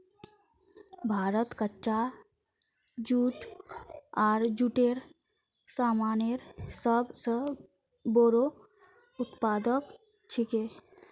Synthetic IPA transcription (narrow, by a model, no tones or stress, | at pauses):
bʱaːɾət̪kətːʃa | d͡ʒuːʈ | aːɾd͡ʒuːʈeɾ | saːmaːneɾsəbsə | boːɾo | ʊt̪paːd̪ək | t͡ʃʰɪke